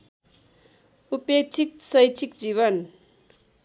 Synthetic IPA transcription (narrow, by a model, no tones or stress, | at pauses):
upet͡ʃʰik̚sʌjt͡ʃʰikd͡ziβʌn